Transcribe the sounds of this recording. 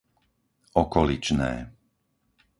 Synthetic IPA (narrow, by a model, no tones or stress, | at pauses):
ɔkɔlit͡ʃnɛ̰ː